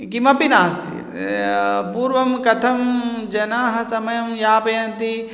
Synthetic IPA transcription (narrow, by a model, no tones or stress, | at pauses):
ɡimɐpinaːst̪ʰḭ | puːɾʋɐmkɐt̪ʰɐmd͡ʒɐnaːɦɐsɐmɐjɐmjaːpɐjɐnt̪i